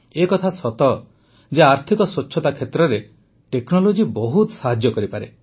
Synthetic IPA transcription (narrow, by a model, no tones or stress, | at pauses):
ekɔt̪ʰasɔt̪ɔ | d͡ʒeaɾt̪ʰikɔsot͡ʃːʰɔt̪akʰet̪ɾɔɾe | ʈeknɔlod͡ʒibɔɦut̪saɦad͡ʒjɔkɔɾipaɾe